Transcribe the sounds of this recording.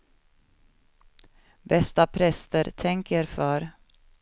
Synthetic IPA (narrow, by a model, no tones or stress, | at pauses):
bɛst̪apʰɾɛst̪əɾt̪ʰɛŋkəɾfœɾ